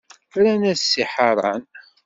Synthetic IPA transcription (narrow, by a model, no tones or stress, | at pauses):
ɾænæsːiħɑɾˤɑ̰n